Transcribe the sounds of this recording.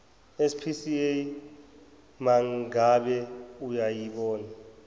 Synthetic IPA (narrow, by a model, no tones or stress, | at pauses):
ɛspʰisie | maŋɡaɓɛujajiɓɔːna